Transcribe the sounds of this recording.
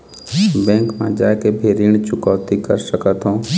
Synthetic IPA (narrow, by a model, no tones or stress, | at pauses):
bɛ̃ːŋkmã̰d͡ʒaːekebʱeːɾiːɳ̃t͡ʃʊkɔːt̪ikə̰ɾsəkət̪ɦõː